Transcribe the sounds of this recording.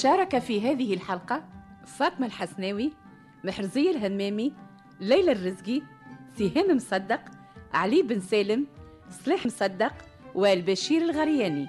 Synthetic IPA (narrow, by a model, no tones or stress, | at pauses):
ʃɑːɾˤɑkafiɦæːðɪɦɪlħɑlqɑfɑːt̪ˤmalħasnɛːwi | mɪħɾzɪjːɪlɦæmːæːmi | lːæjlærːɪzɡi | siɦæːmɪmsˤɑd̪ːɑq | ʕaliːbɪnsæːlɪm | sˤliːħəmsˤɑd̪ːɑq | wɪlbæʃiːɾɪlɣɑɾjæːni